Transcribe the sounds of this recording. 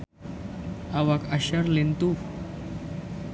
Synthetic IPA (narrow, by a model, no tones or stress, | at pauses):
aʋakaɕəɾlent̪u